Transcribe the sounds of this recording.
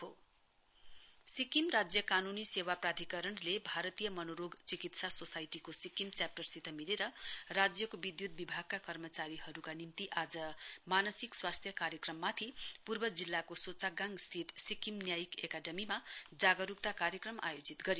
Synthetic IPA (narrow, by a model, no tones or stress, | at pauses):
ɦo | sikimrad͡zjʌkanunisewaprad̪ʱikʌɾʌnlebʱaɾʌt̪ijʌmʌnoɾoɡt͡sikit̪sasosajʈikosikimt͡sjap̚ʈʌrsit̪ʰʌmileɾʌrad͡zjʌkobid̪jut̪̚bibʱaɡ̚kakʌrmʌt͡saɾiɦʌɾukanimt̪iʔad͡zʌmanʌsikswast̪ʰjʌkaɾjʌkrʌmːat̪ʰipurbʌd͡zilːakosot͡saɡaŋɡst̪ʰit̪sikimnjajikekaɖʌmimad͡zaɡʌɾuk̚t̪akaɾjʌkrʌma̰jod͡zit̪ɡʌɾi